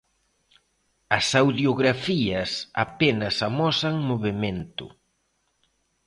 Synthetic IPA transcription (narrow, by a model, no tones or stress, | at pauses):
ɐsawðjoɣɾafiɐsa̰penɐsamɔsaŋmoβement̪ʊ̰